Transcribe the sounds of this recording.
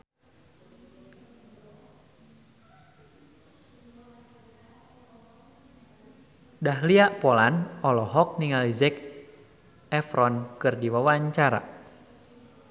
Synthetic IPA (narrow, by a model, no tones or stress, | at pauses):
dahliaʔpolanɔlɔɦɔk̚niŋalizɛk | ɛfɾɔnkɨrdiwawaɲt͡ʃaɾa̰